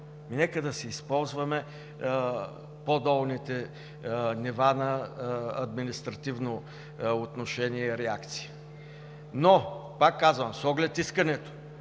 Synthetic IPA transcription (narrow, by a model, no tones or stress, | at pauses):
minɛkəd̪ɐsɛispɔlˠzvɐmɛ | pod̪ɔlˠnit̪ɛ | nivanɐɐd̪minist̪ɾɐt̪ivno | ot̪noʃɛniɛiɾɛakt̪si̥ə | nopakːazvɐmsɔɡlɛt̪iskɐnɛt̪o̥